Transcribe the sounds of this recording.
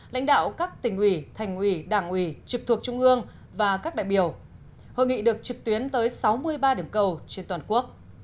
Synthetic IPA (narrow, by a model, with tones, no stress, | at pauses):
la̰˧˥jŋ̟ɗa̰ː˧˨wkaː˦˥k̚t̪ï˨˩ŋ̟ʔwi˧˩t̪ʰa˨˩jŋ̟hwi˧˩ɗaː˧˩ŋʔwi˧˩t͡ɕɨ˨˩k̚t̪ʰu˨˩ək̚t͡ɕʊ˧ŋ͡mʔɨ˧əŋ | vaː˨˩kaː˦˥k̚a̰ː˧˨jɓi˧˩əw | ho̰˧˨jŋḭ˧˨ɗɨ˨˩ək̚t͡ɕɨ˨˩k̚t̪wi˨˦ənt̪əː˨˦jsa˨˦wmɨ˧əjɓaː˧ɗi˧˩əmkə˧wt͡ɕe˧nt̪waː˨˩nku˦˥ək̚